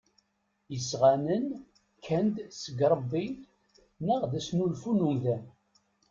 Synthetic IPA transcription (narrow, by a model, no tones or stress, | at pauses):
jəsʁanən | kʰːænd̪səɡɾˤəbːi | nəʁðæsnulfunumðæn